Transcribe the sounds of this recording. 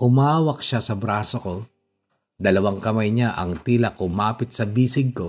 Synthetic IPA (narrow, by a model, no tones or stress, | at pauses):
ʔʊmaːwɐk̚ʃasɐbɾaːsoko̞ | d̪ɐlɐwaŋkɐmajɲaʔɐŋt̪iːlɐkʊmaːpɪt̪̚sɐbiːsɪɡ̚ko̞